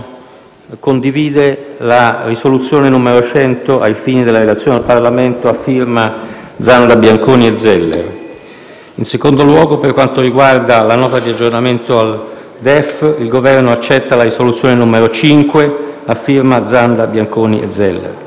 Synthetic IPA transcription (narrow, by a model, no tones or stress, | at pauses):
kond̪iviːd̪elarisolut̪sːjoːnenumeɾot͡ʃɛnt̪oʔajfiːnid̪elːaɾelat̪sjond̪alparlament̪oafːirma | d̪zand̪abjaŋkoːnied̪zːɛlːḛr | insekond̪olwɔːɡoperkwant̪oɾiɡward̪alanɔːt̪ad̪iad͡ʒːornament̪oal | d̪ɛfilɡovɛrnoat͡ʃːɛt̪ːalaɾisolut̪sjoːnenumeɾot͡ʃiŋkweafːirmad̪zand̪abjaŋkoːniʔḛd̪zːɛlːḛr